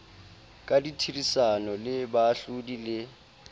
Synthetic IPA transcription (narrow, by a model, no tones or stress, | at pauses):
kʼaditʰirisanɔlɪbaːɬudilɪ